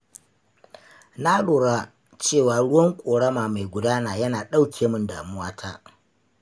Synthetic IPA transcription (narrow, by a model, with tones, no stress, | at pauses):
na˦ɽoː˨ɽa˦ | t͡ʃeː˦˨waː˨ɽʊ˦wɐ˦ŋkʷʼoː˨ɽɐ˦maː˨ma˨jɡʷʊ˨daː˦naː˨jɐ˦naː˨ɗa˦wkʲʰeː˨mʊ˦nda̰ː˨mʊ˦waː˦tʰaː˦